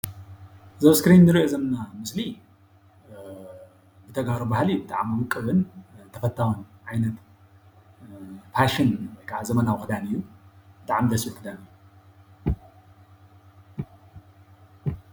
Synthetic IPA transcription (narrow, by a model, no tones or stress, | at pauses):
zɐβskɾinːɨɾiʔo̞zɐmɐnamɨsli | bɨt̪ʰɐɡaɾobahlijːubɨt̪ʰʼaʕamɨwɨkʼːɨβɨnt̪ʰɐfɐt̪ʰːawonʕajnɐt̪ | pʰaʃinwɔjkʰaʕazɐmɐnawkɨd̪anɨjːubɨt̪aʕamd̪ɐsikʰɨd̪anɨjːu